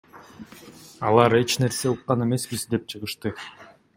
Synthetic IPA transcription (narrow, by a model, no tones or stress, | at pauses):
ɑlˠɑɾe̞t͡ʃne̞ɾse̞uqːɑne̞me̞sbizd̪e̞p̚t͡ʃʰɯʁɯʃt̪ɯ